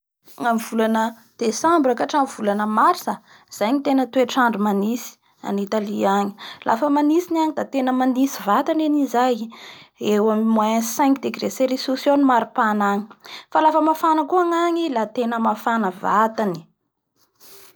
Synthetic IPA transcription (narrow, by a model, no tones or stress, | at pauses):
ŋamiv̥ulanə | d̪̥esambɾakaʈ͡ʂamvulanəmaɾsə | z̥ajɲit̪enət̪ueʈ͡ʂaɳɖ͡ʐumanisi̥ | a̰nit̪aliaŋi̥lʔa̰fəmanisinaŋid̪at̪enəmanisivat̪anenizaj | ewamimwãsɛ̃ŋkd̪eɡreseɾisusjonimaɾupanaŋi̥falafəmafanəkuaŋaŋilat̪enəmafanəvat̪ani̥